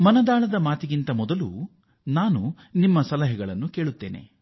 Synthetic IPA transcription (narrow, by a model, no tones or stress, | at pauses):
mɐnɐd̪aːɭɐd̪ɐmaːt̪iɡint̪ɐmɔd̪ɐlṵ | naːnu | nimːɐsɐlɐɦɛɡɐɭɐnːukeːɭut̪ːe̞ːne̞̰